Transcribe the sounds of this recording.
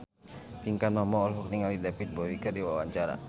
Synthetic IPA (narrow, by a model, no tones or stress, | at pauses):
fiŋkanɔmɔɔlfɔk̚niŋalidapit̪̚bɔwikərdiwawaɲt͡ʃaɾa̰